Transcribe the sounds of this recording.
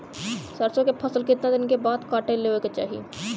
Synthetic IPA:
səɾsõkepʰɐsəlkɪt̪nad̪ɪnkebaːd̪kaːʈeleːʋeket͡ʃa̰ːɦḭ

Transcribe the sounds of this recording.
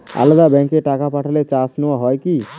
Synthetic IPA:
a̰ld̪abɛ̃ŋkeʈakapaʈʰəlet͡ʃasnʊwaɦɔjki

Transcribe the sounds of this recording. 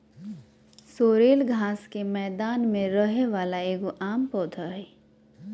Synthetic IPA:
soːɾeːlɡʱaːskemɛːd̪aːnmẽɾəɦeʋaːlaeːɡoʔaːmpɔːt̪ʰaɦɛː

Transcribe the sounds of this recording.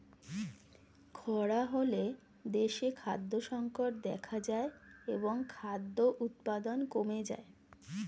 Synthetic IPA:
kʰɔɽaɦole | d̪eʃekʰa̰d̪ːoʃɔŋkoʈ̚d̪ɛkʰad͡ʑaeeboŋkʰad̪ːoʔut̪pad̪onkomed͡ʑa̰e

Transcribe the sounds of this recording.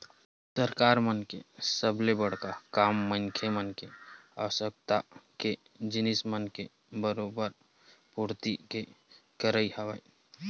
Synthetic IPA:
səɾkaɾmənkḛsəblebəɽ̤kakamːəŋkʰemənkea̰wəsək̚t̪ake | d͡ʒinismənke | bəɾobəɾ | puɾt̪ikekəɾəiɦəʋəj

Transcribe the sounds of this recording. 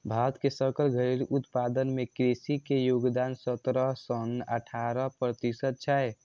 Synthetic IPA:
bʱaɾt̪kesəɾkəlɡʱəiɾut̪pad̪ənmekɾesikejoɡd̪aːnsət̪ɾəɦsənəʈʰaɾəɦpɾət̪isət̪̚t͡ʃʰɛe

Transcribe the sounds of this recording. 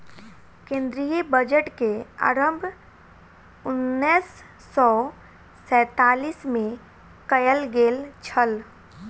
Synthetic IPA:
kẽːnd̪ɾijəbəd͡ʒəʈkea̰ɾəmbʱ | ʊnːiːsː | ɔː | sɛ̃ːt̪aːliːsmẽ | kəjəlɡeːlt͡ʃʰəl

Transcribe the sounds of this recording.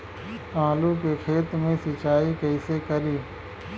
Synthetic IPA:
ãːlukekʰeːt̪mẽsɪt͡ʃaːikəɪsekəɾiː

